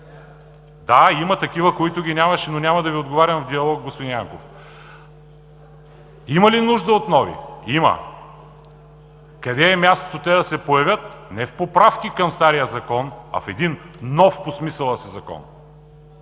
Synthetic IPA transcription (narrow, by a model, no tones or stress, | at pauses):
d̪aimɐt̪ɐkivəkoit̪ʊɡʲinʲamɐʃɛnonʲamɐd̪ɐviod̪ɡovaɾʲɐmvd̪iɐlˠɔk̚ɡospod̪injaŋkof | imɐlinuʒd̪əot̪nɔvḭimɐ̰ | kɐd̪ɛːmʲjast̪o̥t̪ot̪ɛd̪ɐsɛpojɐvʲət̪nɛfpopɾafk̟ʲikɐmst̪aɾijəzɐkɔnɐ̰fɛd̪inːɔfposmisəlˠɐsɛzɐkɔ̰n